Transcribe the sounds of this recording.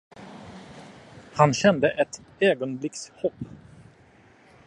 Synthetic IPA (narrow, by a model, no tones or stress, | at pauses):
hanɕɛnd̪əʔɛt̪øːɡɔnblɪkshɔpː